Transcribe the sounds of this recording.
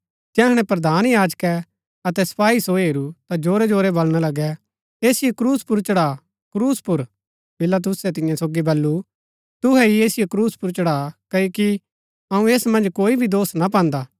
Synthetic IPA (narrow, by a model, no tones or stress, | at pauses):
d͡ʒɛːɦɐɽ̃ɛ̃pɾɐd̪ʱaːnjaːd͡ʒkɛ | ɐt̪ɛsɐ̥paːisoɦeːɾut̪ad͡ʒoːɾɛd͡ʒoːɾɛbɐlɽ̃alɐɡɛ | eːsɪjokɾuːspʊɾt͡ʃɐɽaː | kɾuːspʊɾ | pɪlat̪̬ʊsɛt̪ɪ̃jãsoːɡibɐlːu | t̪ʊɦɛieːsɪjokɾuːspʊɾt͡ʃɐɽaːkɐoːki | ɐũeːsmɐ̃nd͡ʒkoːibʱid̪oːsnap̬ãːnd̪aː